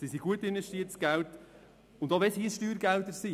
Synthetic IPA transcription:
sisiɡ̥uətɪnvɛʃtiətsɡ̥ælt | ʊnd̥̪ɑʋɛshisʃtyːɾɡælt̪əsi

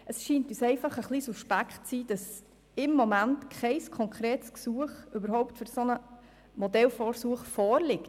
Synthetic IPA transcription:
ʔəsʃiːntyːsɛɪfɑχəχliːsuʃpækχtt͡siːd̥ɑs | ɪmːomæntkʰχɛɪskʰɔŋkʰɾeːtsksuəχybəɾhɔʊptfyɾsonə | modɛlfɔːɾsuəχfɔːɾlɪk

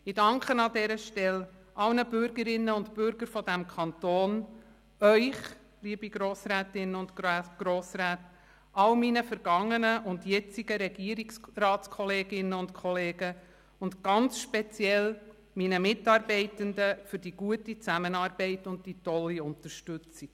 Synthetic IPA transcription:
ɪdɑŋkχənɑdɛːɾəʃtɛlʔɑlnəbʏɾɡəɾɪnːəʊntpʏɾɡ̥əɾfɔdæmkʰɑntoːn | œʏχ | liːəbiɡɾoːsɾæːtɪnəʊntːɡ̥ɾoːsɾæːt | ʔɑlminəfəɾɡ̥ɑŋːənəʔʊndjɛt͡siɡ̥əɾɛɡ̥iəɾiksrɑːtt͡skʰɔleːɡɪnəʊntkʰɔleːɡ̥ə | ʊndɡ̥ɑnt͡sʃpɛt͡sjɛl | minəmɪtɑːɾbɛɪtəndəfʏɾd̥iɡuətit͡sæmənɑːɾb̥ɛɪtʊnd̚titɔlːiʊntəɾʃtʏt͡si̥

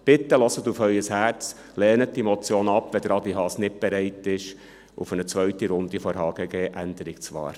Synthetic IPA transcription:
b̥ɪt̪ːəlɔsətufhœʏjəshæɾt͡s | lɛːnət̚d̥imɔt͡sjoːnɑpːʋɛd̥ɾɑdiɦɑːsnɪt̚b̥ɛɾɛɪtɪʃ | ṵfənət͡sʋœɥtiɾʊnd̪ifɔɾɦɑːɡ̥əɡeːʔænd̥̪əɾikt͡sʋɑ̰ːɾ

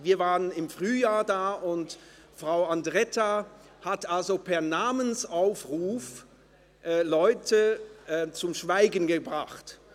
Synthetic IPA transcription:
viːɐvaːʁənɪmfʁ̥yːjaːɐdaːʔʊnt | fʁ̥aʊandʁɛta | hatʔalzopʰɛɐnaːmənsʔaʊfʁuːf | ʔɛːlɔʏtʰəʔɛt͡sʊmʃv̥aɪɡn̩ɡəbʁaχt

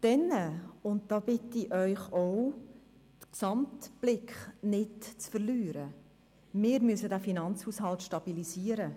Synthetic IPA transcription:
d̥ɛnəʊnt̚d̥ɑːbɪtːiʔœʏχɔʊ | d̥̪ksɑmtb̥lɪkχnɪtt͡sfərlyːɾə | mɪːɾmysədæfinɑnt͡shuːshɑltʃtɑb̥ilisiəɾə

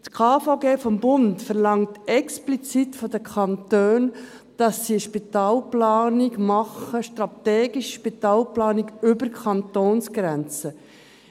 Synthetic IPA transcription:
tkʰɑːfaɡeːfɔmbʊntfəɾlɑŋtɛksplit͡sit̪fɔdəkʰχɑntøːn | d̥ɑsːiəʃpit̪ɑːlplɑːniɡmɑχəʃtrɑt̪eːɡiʃʃpitɑːlplɑːniɡʏbəɾkʰχɑnt̪oːnsɡ̥ɾɛnt͡sə

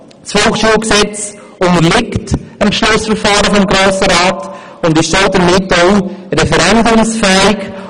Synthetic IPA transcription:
shoːχʃuːlksɛt͡s | ʊnəɾlɪktəmpʃlʊsfəɾfɑːɾəfɔmɡɾoːsəɾaːt | ʊndɪʃsoːdəɾmɪtoʊɾɛfɛɾɛndʊmsfɛɪk

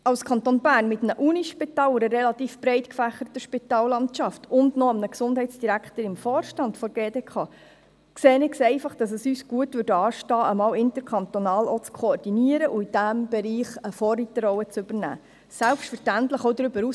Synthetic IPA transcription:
ɑwskʰɑnt̪oːnbæːrnmɪt̪əmnəʔuniʃpit̪ɑːlʊɾəɾɛlɑt̪iːfb̥ɾɛɪtkfæχəɾətəʃpit̪ɑːlːɑntt͡ʃɑftʰʊndnɔɑmnəksʊnd̥ɦɛɪt̪t͡sd̥iɾækχtəɾɪmfɔːrʃtɑndfɔɾɡ̥eːdeːkʰɑː | kseːnɪksɛɪfɑχd̥ɑs̬əsyːsɡ̥uətʋʏdɑːʃtɑːəmɑːwɪntəɾkʰɑnt̪onɑːlɔt͡skʰɔɔrdiniəɾəʔuid̥æmb̥ɛɾiːχəfɔːrit̪əɾɔwət͡sɵbəɾnæ̰ː | sælpʃtfəɾʃtæntləχɔwdɾʏbəɾu

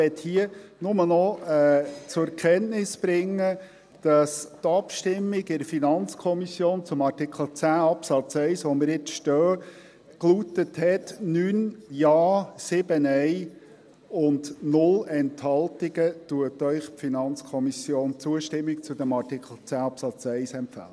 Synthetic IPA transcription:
ɛt̪hiənʊmənɔɛːt͡sʊɾɛɾkʰɛntnɪspɾɪŋːə | d̥ɑstɑpʃtɪmːɪɡɪɾəfinɑnt͡skʰɔmisjoːnt͡sʊmɑrtɪkχl̩ˠt͡sæːɑpsɑt͡sɛɪsʋɔməɾjɪt͡sʃtœː | kluːtəthɛtnyːnjɑːsɪb̥ənɛɪ | ʊndnʊlɛnthɑlˠtiɡ̥ətuətœʏχpfinɑnt͡skʰɔmisjoːnt͡suəʃtɪmːik̚t͡sʊd̥̪æmɑrtɪkʰl̩ˠt͡sæːɑpsɑt͡sɛɪsɛmpfæ̰lə

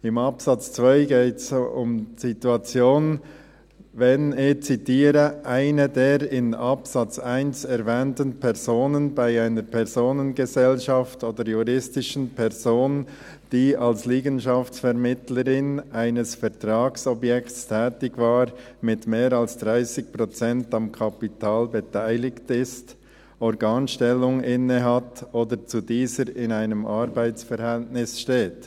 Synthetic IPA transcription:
ɪmɑpsɑt͡st͡sv̥aɪɡeːtsʊmz̥ituat͡sjoːn | vɛnɪçt͡sitiːɾəʔaɪnədeːʁɪnʔɑpsɑt͡saɪnsɛɾvɛːntən̩pʰɛʁzoːnənbaɪaɪnəɾpʰɛʁzoːnənɡəzɛlʃɑftoːd̥əɾjuʁɪstɪʃən̩pʰɛʁzoːn | d̥iːalsliːɡənʃaftt͡ssfɛʁmɪtləɾɪnʔaɪnəsfɛʁtʁ̥aːɡsɔbjɛktstʰɛːtɪɡvaːʁmɪtmeːɾalsd̥ʁaɪsɪk̚pʁot͡sɛntɑmkʰɑpitʰaːlbetʰaɪlɪktɪst | ɔɾɡaːnʃtɛlːʊŋɪnəɦatoːdəɾt͡sudiːzəɾɪnaɪnəmʔaɾbaɪt͡sfɛɾhɛltnɪsʃteːt

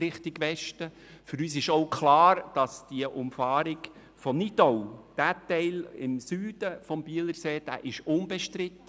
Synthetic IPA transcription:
ɪχtɪɡʋɛʃtə | fʏɾyːsɪʃoʊkʰlɑːɾd̥ɑsd̥iəʔʊmfɑːɾɪɡ | fɔmnidɔwd̥æːtɛɪlɪ̰msyːd̥əfɔmbiələɾseːd̥æ̰ːʔɪʃʊnbɛʃtɾɪt̪ː

